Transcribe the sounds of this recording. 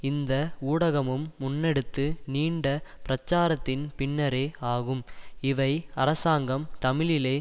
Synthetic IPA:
ɪnd̪ɐuːɽɐɣɐmɯmːʊnːɛɽɯt̪ːɯniːɳɖɐpɪɾɐt͡ʃːaːɾɐt̪ːɪnpɪɳːɐɾeːaːɣɯmɪʋɐɪɐɾɐsaːŋɡɐmt̪ɐmɪɭɪleː

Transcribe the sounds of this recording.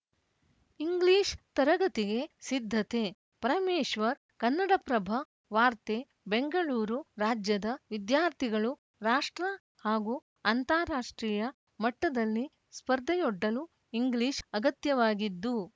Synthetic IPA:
iŋɡliːʃt̪ɐɾɐɡɐt̪iɡe̞sid̪ʱːɐt̪e̞ | pɐɾɐmeːʃʋɐɾ | kɐnːɐɽɐpɾɐbʱɐ | ʋaːɾt̪e | be̞ŋɡɐɭuːɾuɾaːd͡ʒjɐd̪ɐʋid̪jaːɾt̪ʰiɡɐɭu | ɾaːʂʈɾɐ | haːɡu | ɐnt̪aːɾaːʂʈɾiːjɐ | mɐʈːɐd̪ɐlːi | spɐɾd̪ʱɐjoɖːɐlu | iŋɡliːʃɐɡɐt̪jɐʋaːɡid̪ːu

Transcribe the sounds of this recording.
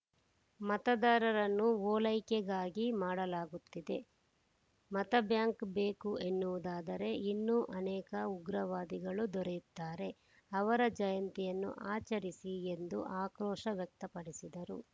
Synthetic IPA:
mɐt̪ɐd̪aːɾɐɾɐnːuɔːlɐjkɛɡaːɡimaːɽɐlaːɡut̪ːid̪e̞ | mɐt̪ɐbjaːŋkbe̞ːkuʔe̞nːuʋud̪aːd̪ɐɾe̞inːuʔɐnɛːkɐuɡɾɐʋaːd̪iɡɐɭud̪ɔɾejut̪ːaːɾe̞ | ɐʋɐɾɐd͡ʒɐjɐnt̪ijɐnːṵʔaːt͡ʃɐɾisie̞nd̪ṵʔaːkɾɔːʃɐʋjɐk̚t̪ɐpɐɽisid̪ɐɾṵ

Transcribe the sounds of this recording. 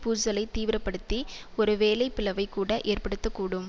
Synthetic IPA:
puːsɐlɐɪt̪iːʋɪɾɐpːɐɽɯt̪ːi | ɔɾɯʋeːlɐɪpːɪlɐʋɐɪkːuːɽɐʔeːrpɐɽɯt̪ːɐkːuːɽɯm

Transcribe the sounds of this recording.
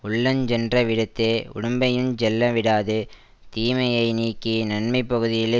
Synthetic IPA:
ʊɭːɐnd͡ʒɛndrɐʋɪɽɯt̪ːeːʊ̰ɽʊmbɐjɪnd͡ʒɛlːɐʋɪɽaːðɯ | t̪iːmɐjɐɪniːkːinɐnmɐɪpːɐɣɯðɪjɪle

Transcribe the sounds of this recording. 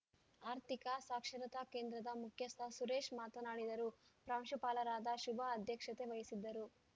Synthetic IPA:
aːɾt̪ikɐsaːkʂɐɾɐt̪ɐke̞ːnd̪ɾɐd̪ɐmukʰjɐst̪ʰɐsuɾeːʃmaːt̪ɐnaːɽid̪ɐɾupɾaːmʃɐpaːlɐɾaːd̪ɐʃubʱɐːd̪ʱjɐkʂɐt̪e̞ʋɐjisid̪ːɐɾu

